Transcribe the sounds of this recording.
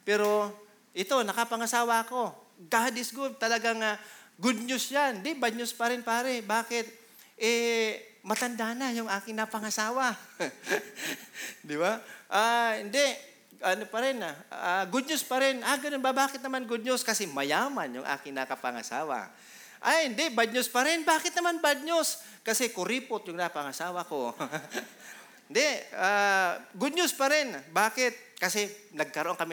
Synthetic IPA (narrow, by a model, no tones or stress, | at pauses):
pɛːɾo̞ | ʔɪt̪o̞nɐkɐpɐŋɐsaːwaɐko̞ɡad̪ɪsɡʊd̪̚t̪ɐlɐɡaŋaɡʊd̪̚ɲʊsjand̪ɪbad̪̚ɲʊspɐɾɪnpaːɾɛbaːkɪt̪̚ | ʔɛ | mɐt̪ɐnd̪anajʊŋʔaːkɪŋnɐpɐŋɐsaːwa | d̪ɪbaʔaːhɪnd̪ɛʔ | ʔɐnopɐɾɪnaaɡʊd̪̚ɲʊspɐɾɪnaɡɐnonbabaːkɪt̪̚nɐmanɡʊd̪̚ɲʊskɐsɛmɐjaːmanjʊŋʔa̰ːkɪŋnakɐpɐŋa̰saːwa̰ | ʔajhɪnd̪ɛbad̪ɲʊspɐɾɪnbaːkɪt̪̚nɐmanbad̪̚ɲos | kɐsɛkʊɾiːpot̪̚jʊŋnɐpɐŋɐsaːwɐko | ɪnd̪ɛʔaːɡʊd̪̚ɲʊspɐɾɪnbaːkɪt̪̚kɐsɛnɐɡ̚kɐɾoʔoŋkɐmɪ